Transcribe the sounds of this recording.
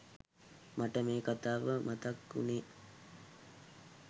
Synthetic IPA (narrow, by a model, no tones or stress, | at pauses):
maʈəmeːkat̪aːʋəmʔat̪ɐkːṵne